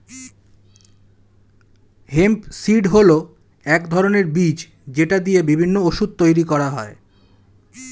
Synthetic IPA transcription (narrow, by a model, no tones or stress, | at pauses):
hempsiɖɦolo | ɛkd̪ʱɔɾoneɾbid͡ʑ | d͡ʑeʈad̪ijebibʱinːooʃud̪̚t̪ojɾikɔɾaɦɔe